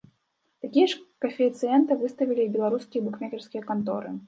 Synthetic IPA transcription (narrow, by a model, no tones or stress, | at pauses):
t̪akʲijɐʂkɐfʲijt̪sɨɛnt̪ɨvɨst̪ɐvʲilʲibʲɛlˠaɾuskʲijɐbukmʲakʲɛrskʲijɐkant̪ɔ̰ɾɨ̰